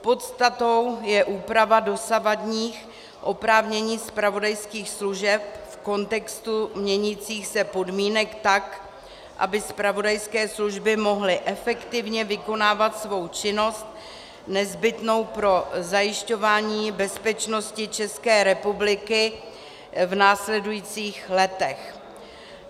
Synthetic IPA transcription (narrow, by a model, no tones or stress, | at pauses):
po̞t̪st̪at̪o̞wjɛʔuːpɾavado̞savadɲiːx | ʔo̞pɾaːvɲɛɲiːspɾavo̞dajskiːxsluʒɛp̚fko̞nt̪ɛkst̪umɲɛɲit͡siːxsɛpo̞dmiːnɛkt̪ak | ʔa̰bɪspɾavo̞dajskɛːsluʒbɪmo̞ɦlɪʔɛfɛkt̪ɪvɲɛvɪko̞naːvat̪svo̞wt͡ʃɪno̞st̪̚ | nɛzbɪt̪no̞wpɾo̞zajɪʃco̞vaːɲiːbɛspɛt͡ʃno̞scɪt͡ʃɛskɛːɾɛpublɪkɪ | vnaːslɛdujiːt͡siːxlɛt̪ɛx